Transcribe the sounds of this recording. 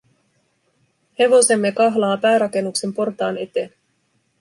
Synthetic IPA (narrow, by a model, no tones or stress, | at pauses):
he̞ʋo̞se̞mːe̞kɑɦlɑːpæːɾɑke̞nːukse̞mpo̞rt̪ɑːne̞t̪en